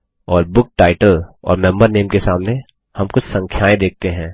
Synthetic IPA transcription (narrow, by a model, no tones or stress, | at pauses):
ɔːɾbʊk̚ʈaːɪʈəlɔ̰ːɾmɛ̃mbəɾneːmkesaːmne | hɐmkʊt͡ʃʰsɐ̃ŋkʰjaːẽd̪eːk̚ʰt̪eɦɛ̃ː